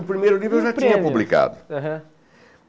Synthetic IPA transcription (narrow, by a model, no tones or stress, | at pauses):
upɾimejɾunivewwʒat̪ĩɲɐpublˠika̰ðuɐɦɐ̃